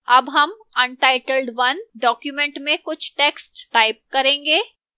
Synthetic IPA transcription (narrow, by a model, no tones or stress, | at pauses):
ɐbɦɐm | ɐ̃nʈaɪʈəlɖʋɐnɖɔːkjumẽɳʈmẽkʊt͡ʃʰʈeːksʈʈaːɪp̚kɐɾẽːŋɡeː